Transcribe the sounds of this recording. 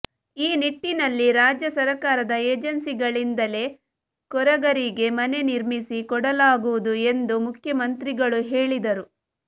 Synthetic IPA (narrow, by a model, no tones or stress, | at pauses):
iːniʈːinɐlːiɾaːd͡ʒjɐsɐɾɐkaːɾɐd̪ɐeːd͡ʒɐnsiɡɐɭind̪ɐle̞ | kɔɾɐɡɐɾiɡe̞mɐne̞niɾmisikɔɽɐlaːɡuʋud̪ue̞nd̪umukʰjɐmɐnt̪ɾiɡɐɭuɦe̞ːɭid̪ɐɾu